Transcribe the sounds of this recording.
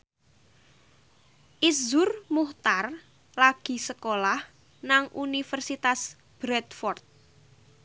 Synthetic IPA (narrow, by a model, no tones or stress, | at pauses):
ʔizʊrmuht̪ar | laɡ̥i̤səkolah | naŋʔunifərsit̪as | b̥ɾɛt̪fɔrt̪̚